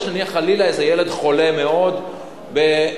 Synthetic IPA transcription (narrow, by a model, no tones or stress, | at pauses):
ʃnaniaχalilaezejele̞d̪χo̞le̞me̞o̞d̪ | be